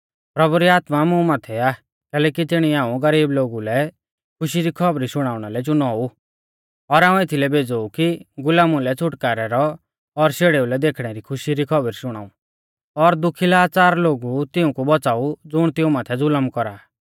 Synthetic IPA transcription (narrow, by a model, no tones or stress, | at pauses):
pɾɐbuɾiaːt̪mamũmaːt̪ʰɛaː | kɛːlɛːkit̪ɪɽ̃iãːũɡɐɾiːbloːɡulɛ | kʰʊʃiɾikʰɔbɾisʊɽ̃aːʊɽ̃alɛt͡ʃʊnaːu | ɔɾaːũɪt̪ʰilɛbeːd͡zoukiɡʊlaːmulɛt͡sʰʊʈkaːɾɛɾɔ | ɔɾseɽeːulɛd̪eːkʰɽ̃ɛɾikʰʊʃiɾikʰɔbəɾisʊɽ̃a̰ːu | ɔɾd̪ʊkʰilaːt͡saːɾloːɡut̪ɪũkubɔt͡saːud͡zʊɽ̃t̪ɪũmaːt̪ʰɛd͡zʊləmkɔɾaː